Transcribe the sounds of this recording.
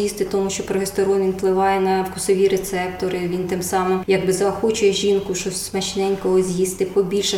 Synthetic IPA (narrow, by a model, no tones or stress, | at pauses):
jist̪ɪt̪ɔmuʃt͡ʃɔpɾɔɦest̪ɔɾɔnʋʲinplˠɪʋɑjɛnɐwkʊsɔʋʲiɾet̪sɛp̚t̪ɔɾɪʋʲint̪ɪmsɑmɪmjɐɡbɪzɐːxɔt͡ʃʊjɛʒʲinkʊʃɔsʲsmɐt͡ʃnɛnʲkɔɦɔzʲjist̪ɪpɔbʲilʲʃɛ